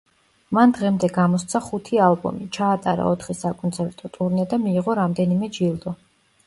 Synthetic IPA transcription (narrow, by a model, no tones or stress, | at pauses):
mand̪ʁɛmd̪ɛɡamɔst̪sʰaχut̪ʰialˠbɔ̰mit͡ʃʰaːt̪ʼaɾa̰ɔt̪ʰχisakʼɔnt̪sʰɛɾt̪ʼɔt̪ʼuɾnɛd̪amiːʁɔɾamd̪ɛnimɛd͡ʒilˠd̪ɔ